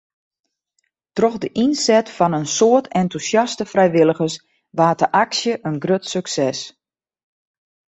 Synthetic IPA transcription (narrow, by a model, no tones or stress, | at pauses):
trɔxdəʔinsɛtfɔnənsoətʰɛntusjɑstəfrɛjʋɪləɣəs | ʋaːtəʔaksjəʔənɡrøtsøksɛs